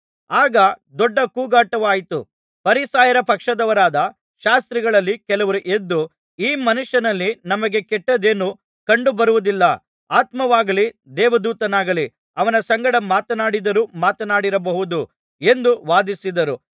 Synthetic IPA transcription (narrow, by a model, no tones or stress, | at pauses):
aːɡɐd̪ɔɖːɐkuːɡaːʈɐʋaːjit̪ṵ | pɐɾisaːjɐɾɐpɐkʂɐd̪ɐʋɐɾaːd̪ɐ | ʃaːst̪ɾiɡɐɭɐlːikɛlɐʋɐɾuʔe̞d̪ːu | iːmɐnuʂːɐnɐlːinɐmɐɡe̞kɛʈːɐd̪eːnu | kɐɳɖubɐɾuʋud̪ilːɐ | aːt̪mɐʋaːɡɐlid̪ɛːʋɐd̪uːt̪ɐnaːɡɐli | ɐʋɐnɐsɐŋɡɐɽɐmaːt̪ɐnaːɽid̪ɐɾumaːt̪ɐnaːɽiɾɐbɐɦud̪u | e̞nd̪uʋaːd̪isid̪ɐɾu